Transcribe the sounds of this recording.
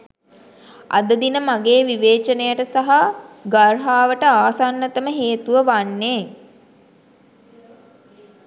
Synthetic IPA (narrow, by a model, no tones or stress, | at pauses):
a̰d̪əd̪inəmaɡeːʋiʋeːt͡ʃənejəʈəsaɦaɡarɦaːʋəʈəaːsanːət̪əməɦeːt̪uʋəʋanːeː